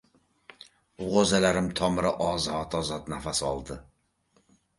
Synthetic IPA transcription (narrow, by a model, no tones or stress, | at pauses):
ʁozalaɾɪmt̪ʰɒmɪɾɪʔɒzɒt̪ɒzɒt̪nafasɒ̰lˠd̪ɪ